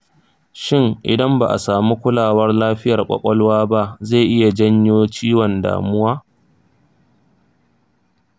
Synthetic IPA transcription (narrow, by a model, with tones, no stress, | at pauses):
ʃɪ˦ŋʔɪ̰˨dɐ˦mba˨ʔa̰˨saː˨mu˦kʷʊ˦laː˨wɐ˦rlaː˦ɸɪ˦jɐ˨rkʷʼɐ̰˨kʷʼɔ˦lwaː˦ba˦ʔze˦˨ʔɪ˦ja˨d͡ʒɐ˦ɲjoː˦t͡ʃiː˦wɔ˨nda̰ː˨mʊ˦waː˦